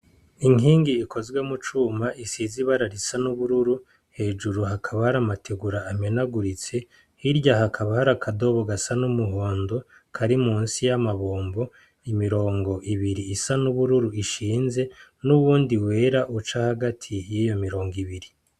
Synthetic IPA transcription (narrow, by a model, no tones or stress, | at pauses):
iŋiːŋɡiːkʰo̞zɡwe̞mut͡ʃuːmaʔisiziβaɾaɾisanuβuɾuɾu | he̞ːd͡ʒuɾuɦakʰaβahaɾamatʰeɡuɾaːmenaɡuɾit͡se̞ | hiɾɟaɦakʰaβahaɾakʰado̞βoɡasanumuɦoːndo | kʰaɾimuːnsijamaβoːmbo̞ | imiɾo̞ːŋɡo̞ʔiβiɾiisanuβuɾuɾuiʃiːnze̞nuβuːndiwe̞ːɾaʔut͡ʃahaɡatʰijijo̞miɾo̞ːŋɡiβiɾi